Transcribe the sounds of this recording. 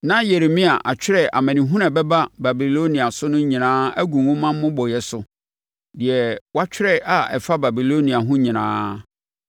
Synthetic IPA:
nã˦je˨ɾe˨mĩ˦a˨ʔa˨t͡ɕᶣɪ˦ɾɛ˨ʔa̰˨mɛ̃˨nĩ˨ɦũ˦nɛ̃˨bɛ˦ba˦ba˨bi˨lo˦nĩ˨a˨sʊ˦nʊ̃˦ɲĩ˨nãː˦æ˦ɡũ˨wʊ̃˦mã˦m˦mʊ̃˦bɔ˨jɛ˨sʊ˨ | dɪ˨ɛ˨wa˦t͡ɕʰᶣɪ˦ɾɛ˦ʔa˨ɛ˨fa˦ba˨bi˨lo˦nĩ˨a˨ɦʊ̃˦ɲĩ˨nã̰ː˦

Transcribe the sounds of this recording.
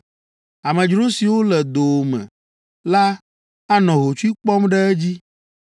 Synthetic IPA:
a˨mɛ̃˨d͡ʒɾo˦si˨wo˦lɛ˨d̪o˨mɛ̰̃˨ | la˦ | a˦nɔ̃˨ɦo˨t͡ʃu˦i˦k͡pɔ˦mɖɛ˦ɛ˦d͡ʑi˦

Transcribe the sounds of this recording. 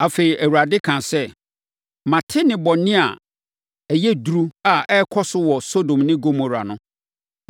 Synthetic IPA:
a˨fe˨ɾi˨ʔæ˨wu˨a˨dɪ˦kʰã˨sɛ˦ | mã˨tʰɪ˦nɪ̃˨bɔ˨nɪ̃˦a̰˨ | ɛ˨jɛ˦du˨ɾu˦a˨ʔɛ˦kʰɔ˦sʊ˦wɔ˨so˦dõ˨mnɪ̃˦ɡo˦mo˨ɾa̰˨nʊ̃˦

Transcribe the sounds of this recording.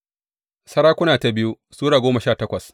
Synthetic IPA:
sɐ˦ɾaː˦kʷʊ˦naː˨ta˨bɪ˦ju˦ | suː˦ɽaː˨ɡʷoː˦mɐ˨ʃaː˦˨tɐ˦kʷɐ˨s

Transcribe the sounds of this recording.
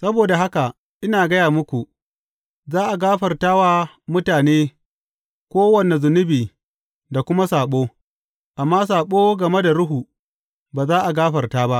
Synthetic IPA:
sɐ˦boː˨da˨ɦa˦ka˨ | ʔɪ˦naː˨ɡɐ˦jaː˨mʊ˦kʷu˨ | zaː˦ʔa˨ɡaː˦ɸɐ˨rtaː˦waː˦ | mʊ˦taː˨neː˦ | kʷoː˦wɐ˨ne˨zʊ˨nʊ˦biː˨ | da˨kʷʊ˦ma˦saː˨ɓoː˦ | ʔa˨mːaː˦s̬aː˨ɓoː˦ɡɐ˨me˦da˨ɽʊ˦ɦu˨ | baː˨zaː˦ʔa˨ɡaː˦ɸɐ˨rtaː˦ba˦ʔ

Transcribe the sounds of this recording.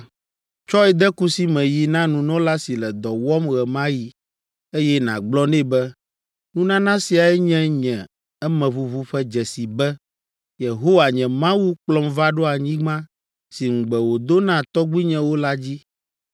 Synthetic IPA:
t͡ʃɔ˦ɛ˨d̪ɛ˦ku˦si˦mɛ̃˨ji˨nã˦nũ˨nɔ̃˦la˦si˨lɛ˨d̪ɔ˨wɔ˦mɣɛ˨mã˦ji˨ | e˦jɛ˦nã̰˨ɡ͡blɔ˦nɛ̃˦bɛ˦ | nũ˦nã˦nã˦si˨a˨ɛ˦ɲɛ̃˦ɲɛ̃˨ | ɛ˦mɛ̃˨βu˦vu˦ɸɛ˦d͡ʒɛ˨si˨bɛ˦ | je˨ɦo˦wa˨ɲɛ̃˨mã˦wu˦k͡plɔ˦mva˦ɖo˦a˨ɲĩ˦ɡ͡bã˦ | si˨ŋ̩˨ɡ͡bɛ˨wo˨d̪o˦nã˦˨t̪ɔ˦ɡ͡bi˦ɲɛ̃˨wo˦la˦d͡ʑi˦

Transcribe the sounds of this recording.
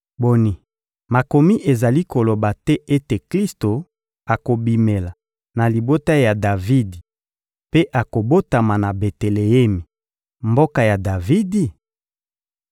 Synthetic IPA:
bo˨ni˨ | ma˨ko˨mi˦ʔe˨za˨li˦ko˨lo˨ba˨tɛ˦ʔe˦te˨kli˦sto˨ | a˨ko˨bi˨me˨la˨ | na˨li˨bo˦ta˦ja˨da˨vi˦di˨ | pe˦ʔa˨ko˨bo˦ta˨ma˨na˨be˨te˨le˨e˦mi˨ | mbo˦ka˨ja˨da˨vi˦di˨

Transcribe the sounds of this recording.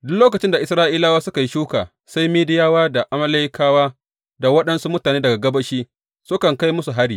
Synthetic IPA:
dʊ˦nloː˦k̬ɐ˨t͡ʃɪ˦nda˨ʔɪ˦sɾaː˦ʔiː˦laː˦waː˦sʊ˦ka˨ji˦ʃuː˦ka̰ː˨ | sa˦jmiː˦dɪ˦jaː˦waː˦da˨ʔa˨mɐ˦la˦jɪ˦kʰaː˦waː˦ | da˨wɐ˦ɗɐ˦nsu˦mʊ˦taː˨neː˦dɐ˨ɡa˨ɡɐ˦bɐ˦ʃiː˦ | sʊ˦kɐ˨ŋka˦jmʊ˦su˨ɦa˦ɽiː˨

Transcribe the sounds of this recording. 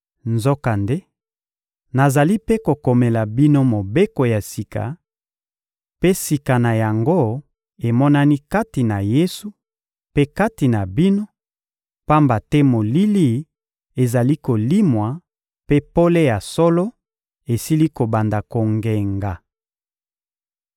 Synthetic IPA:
nzo˦ka˨nde˦ | na˨za˨li˦pe˦ko˨ko˨mɛ˨la˨bi˦no˦mo˨be˦ko˨ja˨si˨ka̰˨ | pe˦si˨ka˨na˨ja˨ŋɡo˦ | e˨mɔ˦na˦ni˦ka˦ti˨na˨je˦su˨ | pe˦ka˦ti˨na˨bi˦no˦ | pa˦mba˨tɛ˦mo˨li˦li˦˨ | e˨za˨li˦ko˨li˦mwa˨ | pe˦po˦le˦ja˨so˦lo˦ | e˨si˦li˦ko˨ba˨nda˨ko˨ŋɡe˨ŋɡa˨

